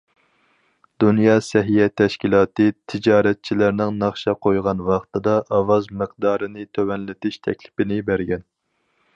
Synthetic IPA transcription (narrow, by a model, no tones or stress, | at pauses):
d̪unjɑːsɛɦijɛt̪ʰɛʃkʲilˠɑːt̪ɨt̪ʰɪd͡ʒɑːɾɛt̪̚t͡ʃʰilæɾnɪŋnɑχʃɑqʰojʁɑnwɑχt̪ʰɨd̪ɑʔɑwɑzmɨq̚d̪ɑːɾɨnɪt̪ʰøwɛnlɪt̪ɪʃt̪ʰɛ̰kʲlɪ̥pɪnɪbæɾɡʲɛn